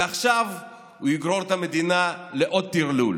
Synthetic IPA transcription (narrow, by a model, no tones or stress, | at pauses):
aχʃav | huiɡʁo̞ʁt̪ame̞d̪inaleʔod̪̚t̪iʁlul